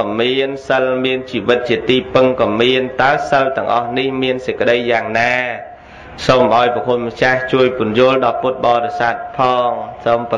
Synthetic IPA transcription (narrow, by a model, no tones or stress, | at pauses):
miənsəlmiənt͡ɕiːʋɨt̪̚t͡ɕiət̪iːpɨŋkɔmiənt̪aəsəwt̪ɛ̆əŋʔɑhnihmiənsəc̚kə̆ɗəjːaːŋnaː | somʔaɔjpɔkʰot̪̚mat͡ɕaht͡ɕuəjpʊ̆ənjʊ̆əlɗɑput̪̚ɓɑːɾesaːt̪̚pʰɑːŋsomp